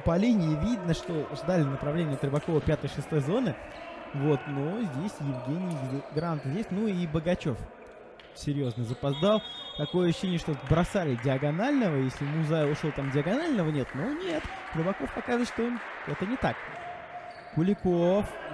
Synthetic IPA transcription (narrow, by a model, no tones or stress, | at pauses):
pɐlʲinʲɪɪvʲid̪nəʂt̪ozd̪alʲɪnəpɾɐvlʲenʲɪjət̪ɾɨbɐko̞vəpʲat̪əjʂɨst̪o̞jzo̞nɨvo̞t̪no̞zʲdʲesʲjɪvɡʲenʲɪjɡɾanət̪ənzʲesʲnuibəɡɐt͡ɕo̞f | sʲɪɾʲjo̞znəzəpɐzd̪alˠt̪ɐko̞jəɐɕʉʊ̥ɕːenʲɪəʂt̪ot̪bɾɐsalʲɪdʲɪɐɡɐnalʲnəvəjesʲlʲɪmʊzajʊʂot̪amdʲɪɐɡɐnalʲnəvənʲet̪nonʲet̪ | t̪ɾɨbɐko̞fpɐkazɨvəɨt̪ʂt̪oon | ɛt̪ənʲɪt̪ak | kʊlʲɪkof